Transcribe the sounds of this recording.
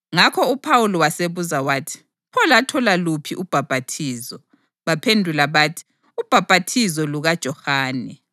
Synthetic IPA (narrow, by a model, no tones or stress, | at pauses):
ŋakʰɔupʰawulɔwaseβuzawaːtʰi̥ | pʰɔlatʰɔlalupʰḭʔub̥ʱab̥ʱatʰiːzɔ | βapʰendʱulaβaːtʰi̥ | ub̥ʱab̥ʱatʰizɔluɣad̥ʒ̥ʱɔxaːnɛ